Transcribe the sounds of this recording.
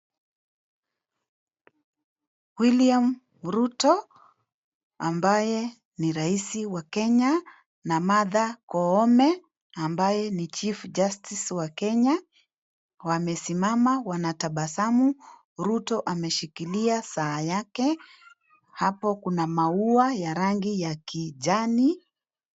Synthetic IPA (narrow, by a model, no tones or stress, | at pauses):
wiliam | ɾutɔ | ambajɛ | niɾaisiwakɛɲa | namaðakɔɔmɛ | ambajɛnit͡ʃifd͡ʒastiswakɛɲa | wamɛsimamawanataɓasamu | ɾutɔʔamɛʃikiliasaːjakɛ | hapɔkunamauajaɾaŋɡijakiʄani